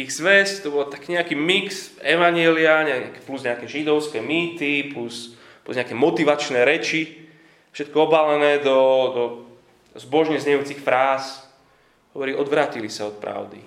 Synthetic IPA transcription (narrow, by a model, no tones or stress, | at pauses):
iɣzʋɛsct̪ɔbɔlt̪akːɲɛakiːmiksɛʋaɲɪɛliaɲɛakɛpluzɲɛakɛːʒid̪ɔʊskɛːmiːt̪iplus | pluzɲɛakɛːmɔt̪iʋat͡ʃnɛːɾɛt͡ʃi | ʃɛt̪kɔɔbalɛnɛːd̪ɔd̪ɔ | zbɔʒɲɛzɲɛjuːt͡sixfɾaːs | ɦɔʋɔɾiːʔɔd̪ʋɾaːcilisaɔt̪̚pɾa̰ʊd̪ḭ